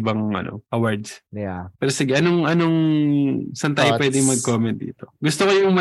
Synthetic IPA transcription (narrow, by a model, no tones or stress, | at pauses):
bɐŋʔɐ̰no̰ʔɐwaɹd̪spɛːɾosɪɡɛʔɐnoŋʔɐnoŋ | sɐnt̪aːjopwɛːd̪ɪŋmɐɡ̚koːmɛnt̪̚d̪ḭːt̪oɡʊst̪okojʊŋmɐ